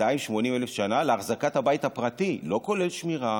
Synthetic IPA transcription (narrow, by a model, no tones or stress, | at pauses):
aimʃmo̞nimelefʃanaleaχzakat̪habaithapʁatilo̞ko̞le̞lʃmiʁa